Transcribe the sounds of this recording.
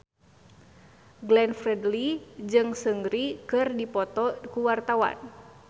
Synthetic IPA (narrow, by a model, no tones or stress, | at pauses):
ɡlɛnfrɛdlid͡ʒɨŋsəŋɡɾikɨrdipɔt̪ɔkuwart̪awa̰n